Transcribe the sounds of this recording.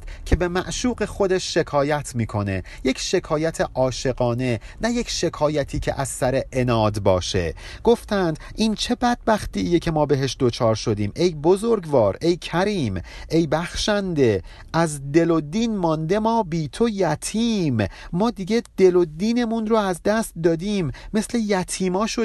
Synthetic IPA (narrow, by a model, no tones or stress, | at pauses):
t̪cʰe̞be̞mæʔʃuːɢe̞xo̞d̪eʃːe̞kʰɒːjæt̪ʰmiːkʰo̞ne̞ | je̞cʰʃe̞kʰɒːjæt̪ʰe̞ʔɒːʃe̞ɣɒːne̞næje̞cʃe̞kʰɒːjæt̪ʰiːcʰḛʔæz̥sæɾe̞ʔenɒːd̪bɒːʃe̞̰ | ɡ̥oft̪ænd̪̥ʔiːnt͡ʃʰe̞bæd̪̥̚bæxt̪iːjecʰe̞mɒːbe̞ɦe̞ʃd̪ot͡ʃʰɒːɾʃo̞d̪iːmʔe̞jbo̞zoɾɡvɒːɾe̞jcʰæɾiːmʔe̞jbæxʃænd̪e̞ | ʔæzd̪e̞lo̞d̪iːnmɒnd̪e̞mɒːbiːt̪ʰojæt̪ʰiːmmɒːd̪iɡed̪̥e̞lo̞d̪iːne̞munroæzd̪æst̪̚d̪ɒːd̪iːmːe̞sle̞jæt̪ʰiːmɒːʃo